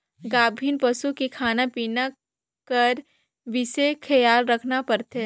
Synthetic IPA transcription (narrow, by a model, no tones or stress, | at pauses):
ɡaːbʱiːnpɐsukikʰaːnapiːna | kɐɾ | ʋɪsekʰɐjaːlɾɐkʰnapɐɾt̪e